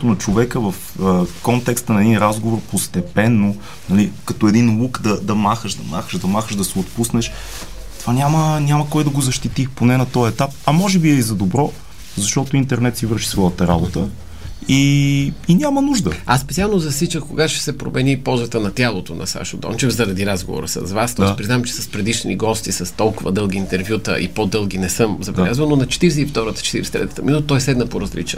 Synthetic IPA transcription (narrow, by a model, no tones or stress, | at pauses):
t̪ʊnɐt͡ʃovɛkəvəf | kɔnt̪ɛkst̪ənɐɛd̪inɾazɡovoɾpost̪ɛpɛnːo | nɐlikɐt̪oɛd̪inlˠukd̪ɐd̪ɐmaxəʃd̪ɐma̰xəʃd̪ɐmaxəʒd̪ɐsɛot̪pusnɛʃ | t̪ovanʲamənʲaməkɔjd̪ɐɡozɐʃt̪it̪ixponɛnɐt̪ɔjɛt̪ap̚ɐmɔʒɛbiɛizɐd̪obɾɔ | zɐʃt̪ɔt̪ʊint̪ɛɾnɛt̪sivɤɾʃi̥svɔjət̪əɾabot̪ə | iinʲamənuʒd̪əasːpɛt̪sialˠnozɐsit͡ʃəxkoɡat̪ʊ̥ʃɛ̥sɛpɾo̰mɛnipɔlˠzət̪ənɐt̪ʲjalˠot̪onɐ̰sa̰ʃod̪ɔ̰nt͡ʃɛfzɐɾɐd̪iɾazɡo̰vo̰ɾə̰sɐ̰zvast̪ɔjspɾiznavmt͡ʃɛ̥sɐspɾɛd̪iʃnḭɡɔst̪isəst̪ɔlˠkʊvə̰d̪ɤlˠɡiːnt̪ɛɾvjut̪ə̰ʔḭpod̪ɤlˠɡinɛsɤmzɐbɛllʲazvəlˠnonɐt͡ʃɛ̥t̪iɾɛs̬ɛift̪ɔɾət̪ə̥t͡ʃɛ̥t̪ḭɾɛsɛt̪ɾɛ̰ət̪əminut̪ət̪ɔjɛsɛd̪nəpoɾɐzlḭt͡ʃ